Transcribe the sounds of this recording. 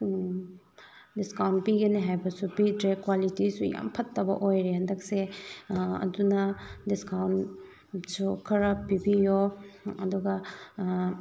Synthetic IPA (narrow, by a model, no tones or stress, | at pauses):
diskawntpiɡɐniɦajbɐsupidɾekwalitisuja̰mpʰɐtːɐbɐ̰ʔojɾeɦɐndɐk̚se | ɐ̰dunɐdiskawn | sukʰɐɾɐpːibijoɐduɡɐ